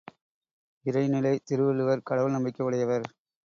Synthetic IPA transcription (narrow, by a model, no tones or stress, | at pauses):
ɪɾɐɪnɪlɐɪt̪ɪɾɯʋɪlɯʋɐɾkɐɽɐʋɯlnɐmbɪkːɐʋɪɽɐjɐʋɐɾ